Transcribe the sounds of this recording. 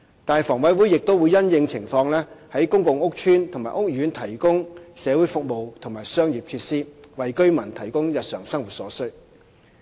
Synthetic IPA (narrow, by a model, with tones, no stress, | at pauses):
t̪aː˨fɔː˨˩ŋwɐ˨˥jwuː˨˥jɪ˨k̚t̪o˥wu˨˧jɐ˥njɪ˧ŋt͡sʰɪ˨˩ŋfɔː˧ŋlɛː˥hɐ˨˥jkʊ˥ŋkʊ˨˧ŋʊ˥k̚t͡ʃʰyː˥nt̪ʰʊ˨˩ŋmaː˨˩ʔʊ˥k̚jyː˨˥nt̪ʰɐ˨˩jkʊ˥ŋsɛː˨˧wuː˨˥jfʊ˨k̚mo˨wt̪ʰʊ˨˩ŋmaː˨˩jsœː˥ŋjiː˨p̚kʰiː˧t̚siː˥wɐ˨jkɵ˥ɥmɐ˨˩nt̪ʰɐ˨˩jkʊ˥ŋjɐ˨t̚sœː˨˩ŋsɐ˥ŋwu˨t̚sɔ̰ː˨˥sɵ˥